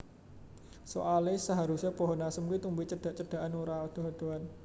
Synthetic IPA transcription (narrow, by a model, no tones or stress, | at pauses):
so̰ʔalesaɦaɾusɛpɔɦɔnasəmkuit̪umbuit͡ʃəɖ̥a̤ʔt͡ʃəɖ̥a̤ʔanuɾaɔd̪̥o̤ɦɔd̪̥o̤an